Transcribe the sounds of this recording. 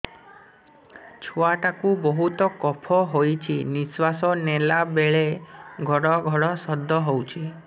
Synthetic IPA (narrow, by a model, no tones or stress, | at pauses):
t͡ʃʰoaʈakubɔɦut̪ɔkɔpʰɔɦojt͡ʃʰiniswasɔnelabeɭeɡʱɔɽɔɡʱɔɽɔsɔd̪ʱːɔɦowt͡ʃʰi